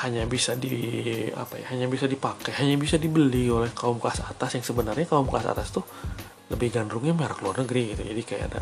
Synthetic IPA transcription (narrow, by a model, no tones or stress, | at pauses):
haɲabisadia̰paja̰haɲabisadipakɛɦaɲabisadibəliolɛhkaʊmkəlasat̪asjaŋsəbənarɲakaʊmkaasa̰t̪ast̪u | ləbɪhɡandɾʊŋɲamiaɾakəluarnəɡɾiɡit̪ud͡ʒadikaja̰ada̰